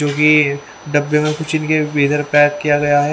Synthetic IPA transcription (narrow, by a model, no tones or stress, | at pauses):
d͡ʒoːki | ɖɐbːemẽkʊt͡ʃʰɪnkebeːt̪əɾpɛːkːijaɡɐjaɦɛ